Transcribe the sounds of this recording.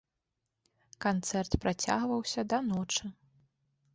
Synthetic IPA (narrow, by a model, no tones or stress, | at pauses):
kant̪sɛrt̪pɾʔat͡sʲa̰ɣvɐwsʲɐd̪ɐnɔt͡ʂɨ